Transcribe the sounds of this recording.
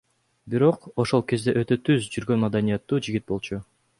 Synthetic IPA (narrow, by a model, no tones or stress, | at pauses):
biɾo̞qo̞ʃo̞lˠke̞zd̪e̞ʔøt̪ø̞t̪yzd͡ʒyɾɡø̞nmad̪anijɑt̪ːuːd͡ʒiɡʲit̪̚bo̞lˠt͡ʃu